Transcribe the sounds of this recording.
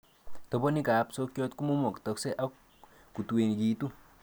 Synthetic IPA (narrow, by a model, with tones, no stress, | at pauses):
tɔ˨bɔ˦ni˦ka˨˦pso˦kjɔ˦t̪ku˦mo˦mɔ˨ktɔ˨kse˦ʔa˦k | ku˨tu˨e˨nkiː˨tu˦